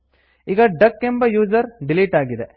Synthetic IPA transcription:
iɡɐɖɐkːembɐjuːd͡ʒɐɾɖiliːʈaːɡid̪e

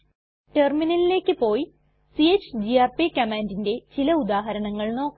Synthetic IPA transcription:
terminɐlile̞ːkːɨpo̞ːji | siet͡ɕːd͡ʑiaːrpikɐmaːndinde̞t͡ɕilɐud̪aːɦɐɾɐɳɐŋːɐɭno̞ːkː

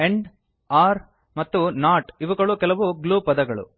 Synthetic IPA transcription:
eɳɖ | aːɾ | mɐt̪ːunaːʈiʋɐɡɐɭukɛlɐʋuɡluːpɐd̪ɐɡɐɭṵ

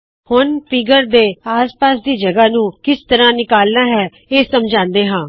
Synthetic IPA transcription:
hʊnpɪɡəɾd̪eːaːspaːsd̪iːd͡ʒəɡaːnũːkɪst̪əɾãːnɪkaːlnaːɦɛː | eːsəmd͡ʒãːnd̪eːɦãː

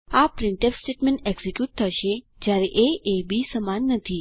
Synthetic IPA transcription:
apɾɪɳʈepsʈeʈmeɳʈeɡsikjuʈ̚t̪ʰəʃe | d͡ʒjaɾeʔeʔebisəmanːət̪ʰi

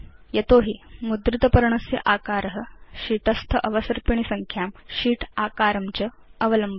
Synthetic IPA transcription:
jɐt̪oɦimud̪ɾit̪ɐpɐɾɳɐsjɐ̰ʔaːkaːɾɦəɕiːʈɐst̪ʰəʔɐʋəsɐɾpiɳ̃isɐŋkʰjaːmɕiːʈʰakaɾɐmt͡ɕə | ɐʋələmbʱ

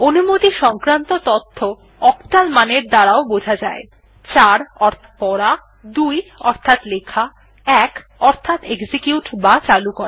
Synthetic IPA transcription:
onumot̪iʃɔŋkɾant̪ot̪ot̪ʰːo | ɔkt̪almaneɾd̪aɾaobod͡ʑʱad͡ʑae | t͡ɕaɾɔɾt̪ | pɔɾa | d̪ujɔɾt̪ʰat̪lekʰa | ɛkɔɾt̪ʰat̪ekd͡ʑikjuʈbat͡ɕalukoɾa

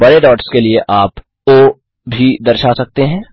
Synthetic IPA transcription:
bɐɾeɖɔːʈskelieʔaːp | o | bʱid̪ɐɾʃasɐk̚t̪eɦɛ̃ː

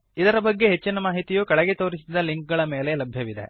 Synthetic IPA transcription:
id̪ɐɾɐbɐɡːe̞ɦet͡ʃːinɐmaːɦit̪ijuːkɐɭɛɡet̪o̞ːɾisid̪ɐliŋk̚ɡɐɭɐme̞ːle̞lɐbʱjɐʋid̪e̞̰

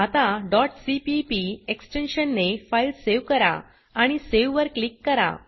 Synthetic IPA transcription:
at̪ãɖɔʈsipipieksʈenɕənːefailseʋkəɾa̰ | aɽ̃iseʋʋəɾklikːəɾa̰

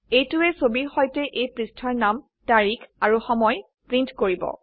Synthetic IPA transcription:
ejtʊɛsobiɹxɔjtɛʔejpɹistʰɔɹnam | taɹikʰaɹuxɔmɔj | pɹintkoɹibɔ̰

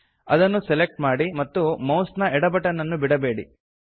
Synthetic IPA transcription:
ɐd̪ɐnːusɛlek̚ʈmaːɽimɐt̪ːumɐwsnɐɛɽɐbɐʈɐnːɐnːubiɽɐbe̞ːɽḭ

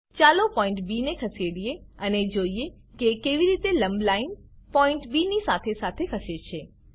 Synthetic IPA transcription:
t͡ʃaːlopɔ̃ɪ̃ɳʈbinekʰəseɽijeəned͡ʒoie | kekeʋiɾit̪elə̃mblainpɔɪ̃ɳʈbinisat̪ʰesat̪ʰekʰəset͡ʃʰe

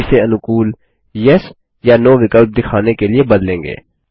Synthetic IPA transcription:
seɐnʊkuːl | jɐs | janoːʋɪkəlb̚d̪ɪkʰaːnekeliebɐd̪lẽːŋɡḛː

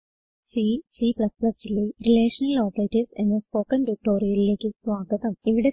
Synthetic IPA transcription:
sisiːplɐsplɐsilerileːʂɐnɐloːt̪ɐɾitːisḛnd̪ɐspoːkɐnʈuk̚ʈo̞ːɾijɐlile̞ːkʲːɨsʋaːɡɐðɐmiʋiɽe̞

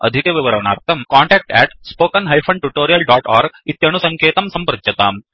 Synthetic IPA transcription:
ɐ̰d̪ʱikeʋiʋɐɾɐʋɐna̰ːɾt̪ʰɐmkaːɳʈɛːk̚ʈɛːʈspoːkɐnɦɐjpʰɐɳʈuʈoːɾijɐlɖaːʈaːɾɡit̪jɐɳusɐŋkʰeːt̪ɐmsɐmpɐɾɐt̪jɐt̪aːm

